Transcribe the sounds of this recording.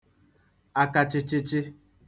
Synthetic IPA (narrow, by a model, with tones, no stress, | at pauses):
a˨ka˨t͡ʃɪ˦t͡ʃɪ˦t͡ʃɪ˦